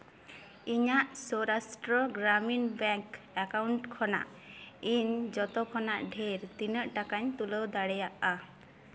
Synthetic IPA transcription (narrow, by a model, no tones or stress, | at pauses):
iɲaʔsɔɾasʈɾɔɡɾaminbɛŋk | akawɳʈkʰɔna̰ʔ | iɲd͡ʒɔt̪ɔkʰɔnaʔɖʱeɾt̪inəʔʈakaɲt̪uləwd̪aɽɛjaʔa